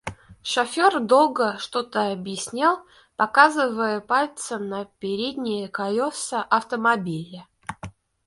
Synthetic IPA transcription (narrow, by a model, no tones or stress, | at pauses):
ʂɐfʲord̪o̞lˠɡəʂt̪ot̪əɐbjɪsʲnʲalˠ | pɐkazɨvəjəpalʲt̪səmnəpʲɪɾʲed̪ʲnʲɪjəkɐlʲosəʔɐft̪əmɐbʲilʲə